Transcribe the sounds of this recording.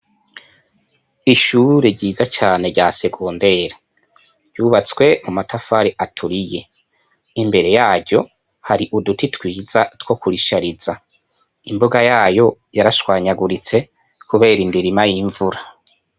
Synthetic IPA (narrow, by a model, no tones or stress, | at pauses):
iʃuːɾe̞ɾɟiːzat͡ʃaːne̞ɾɟase̞ɡoːnde̞ɾe | ɾɟuːβat͡swe̞mumatʰafaɾiʔatʰuɾije̞̰ | imbe̞ɾe̞jaːɟɟo̞ | haɾiʔudutitwiːzatwo̞kuɾiʃaɾiza | imbuɡajaːjo̞jaɾaʃwaːɲaɡuɾit͡se̞ | kuβe̞ːɾindiɾimajiɱvuɾa